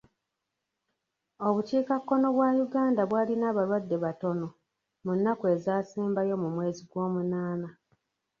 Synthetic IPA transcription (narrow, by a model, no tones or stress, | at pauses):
o̞βuciːkakːo̞no̞βwaːjuɡaːndaβwaːlinaːβalwadːe̞βato̞no̞ | munːakue̞zaːsiːmbajo̞mumwe̞ːziɡwo̞ːmunaːna